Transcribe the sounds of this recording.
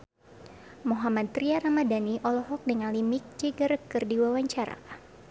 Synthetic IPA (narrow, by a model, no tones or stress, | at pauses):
moɦamat̪̚t̪ɾiaɾamadaniʔɔlɔɦɔk̚dəŋanlimik̚d͡ʒeɡəɾəkɨrdiwawaɲt͡ʃaɾa̰